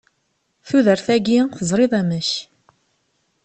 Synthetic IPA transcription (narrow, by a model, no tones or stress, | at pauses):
θuðəɾθæɡiθəzˤɾˤɪðˤæməç